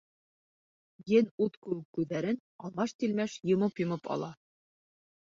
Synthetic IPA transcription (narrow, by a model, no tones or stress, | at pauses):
jɘnut̪kʉ̆wɘkːʉðːæɾɘn | ɑlˠmɑʃt̪ilmæʃjɤ̆mɤpjɤ̆mɤpɑ̰lˠɑ